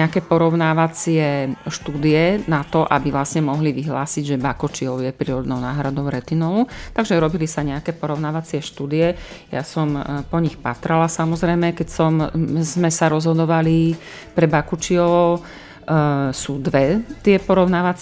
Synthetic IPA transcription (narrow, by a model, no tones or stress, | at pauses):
akɛːpɔɾɔʊnaːʋat͡sɪɛʃt̪uːd̪iɛnat̪ɔʔa̰biʋlasɲɛmɔɦliʋiɦla̰ːsiɟʒɛbakɔt͡ʃiɔʊjɛpɾiːɾɔd̪nɔʊnaːɦɾad̪ɔʊɾɛt̪inɔlut̪aɡʒɛɾɔbilisaɲɛakɛːpɔɾɔʊnaːʋat͡sɪɛʃt̪uːd̪ijɛja̰sɔmpɔɲixpa̰t̪ɾalasamɔzɾɛjmɛkɛcsɔmzmɛsaɾɔzɦɔd̪ɔʋali | pɾɛbakut͡ʃiɔ | suːd̪ʋɛt̪ɪɛpɔɾɔʊnaːʋat͡s